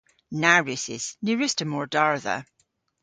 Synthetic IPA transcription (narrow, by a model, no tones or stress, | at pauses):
naɹʉsɪ̰z̥nʉɹɪstəmɔɹdaɹðə̰